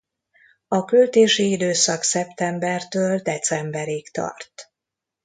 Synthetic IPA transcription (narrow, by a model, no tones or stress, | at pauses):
ɒkølt̪eːʃiid̪øːsɒksɛpt̪ɛmbɛrt̪øːld̪ɛt̪sɛmbɛɾikt̪ɒ̰rt̪